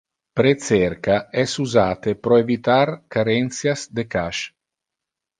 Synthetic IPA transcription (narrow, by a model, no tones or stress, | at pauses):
pɾet̪sɛrkaɛsuzaːt̪epɾɔevit̪arkaɾɛnsjasd̪ekaʃ